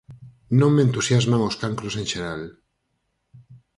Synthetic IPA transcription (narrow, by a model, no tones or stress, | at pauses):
nõŋmẽnt̪usjazmãŋoskaŋkɾoseŋʃeɾal